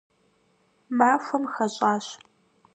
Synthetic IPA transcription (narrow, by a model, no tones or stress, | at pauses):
maːfʷɐmxɐɕʼaːɕ